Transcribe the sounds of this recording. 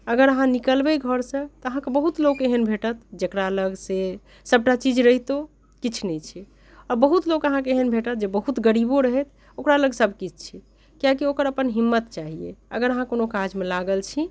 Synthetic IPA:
əɡəɾəɦãnikəlbeɡʱəɾsə̃t̪ɔəɦãkebəɦut̪lokeɦənbʱeʈət̪d͡ʒekɾaləɡse | səb̚ʈat͡ʃid͡ʒɾəɦit̪o | kit͡ʃʰnɛt͡ʃʰi | ɔɾbəɦut̪lokəɦãk̬eɦənbʱeʈət̪̚d͡ʒebəɦut̪ɡəɽiboɾəɦɛt̪ʰ | okɾaləɡsəbʱkit͡ʃʰt͡ʃʰi | kijakiokəɾəpənɦimːət̪t͡ʃaɦiḛə̰ɡəɾəɦãkonokad͡ʒmelaɡəlt͡ʃʰi

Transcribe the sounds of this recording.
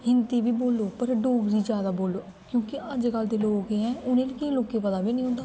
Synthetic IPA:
ɦɪnt̪iːʋiːboːloːpəɾɖoːɡɾiːd͡ʒjaːd̪aːboːlːoː | kjõːkɪʔəd͡ʒkəld̪eːloːɡeːɛ̃ːʔʊnẽːliːkɪĩloːkeːpəd̪aːbiːnəĩːɦʊ̃nd̪aː

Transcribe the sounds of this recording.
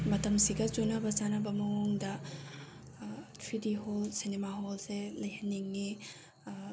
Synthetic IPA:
mɐtɐmsiɡɐt͡ʃunɐbɐzanɐbɐmɐŋoŋdɐ | tʰɾidiɦolsinemaɦolselɐjhɐnːiŋːi

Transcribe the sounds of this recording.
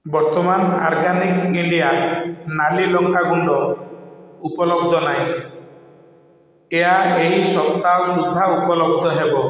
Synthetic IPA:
bɔɾt̪ɔmana̰ɾɡanikiɳɖijanalilɔŋkaɡuɳɖɔ | upɔlɔbd̪ʱɔnaj̃ | eaejsɔpt̪awsud̪ʱːaupɔlɔb̚d̪ʱɔɦebɔ

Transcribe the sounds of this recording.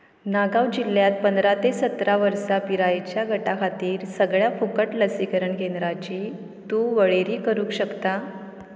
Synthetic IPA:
naɡaʋd͡ʑilːjat̪̚pənd̪ɾat̪esət̪ɾaʋəɾsapiɾajt͡ɕjaɡʱəʈakʰat̪iːɾsəɡɭjafukəʈləsikəɾəɳkend̪ɾat͡ɕiː | t̪uːʋəɭeɾiːkəɾũːkɕəkt̪a

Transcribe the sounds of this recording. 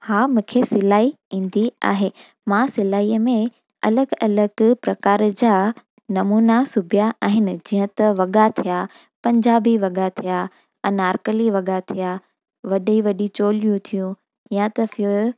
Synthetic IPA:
haːmũːkʰesɪlaːi | ĩːn̆d̪ia̰ːɦe | mãsɪlaːiːəmẽ | ɐ̰ləɡɐləɡpɾɐkaːɾd͡ʑaː | nɐmuːnasʊbʱijaʔaːɦɪnɪ̆d͡ʑiːɦə̃t̪ɐʋɐɠat̪ʰija | pɐ̃ɲd͡ʑaːbiʋɐɠat̪ʰija | ɐ̃naːɾkəliʋɐɠat̪ʰija | ʋɐɗiʋɐɗit͡ɕoːlijũt̪ʰijũ | jãt̪ɐf

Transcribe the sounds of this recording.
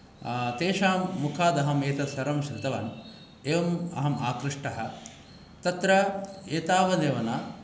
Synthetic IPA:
t̪eːʃaːmːukʰaːd̪ɐɦɐmeːt̪ɐsɐɾɐmʃɐɾɪt̪ɐʋa̰ːn | eːʋɐmɐ̰ɦɐma̰ːkɾɪʂʈɐɦɐ̆ | t̪ɐt̪ɾɐeːt̪aːʋɐleːʋɐnaː

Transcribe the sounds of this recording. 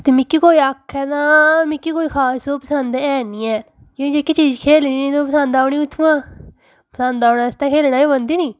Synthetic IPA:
t̪ɪmɪkːikoːiːəkʰːɛːnamɪkːikoːiːkʰaːsoːpəsənd̪ɛːniːɛː | kĩːd͡ʒekːit͡ʃiːd͡ʒkʰeːlniːnĩːt̪oːpəsə̃nd̪aːʊñiːʊt̪ʰːʋãː | pəsə̃nd̪aːʊnaːst̪ãːkʰeːlnaːiːbənd̪iːniː

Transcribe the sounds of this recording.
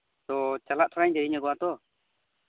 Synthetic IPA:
t̪ɔt͡ʃalaʔt̪ʰɔɾaɲdɛɾiɲaɡɔwat̪ɔ

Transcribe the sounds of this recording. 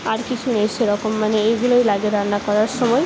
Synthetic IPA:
aɾkisʰuneseɾʌkʌmːaneːɡulʌjlaɡeɾanakɔɾarsʌmʌj

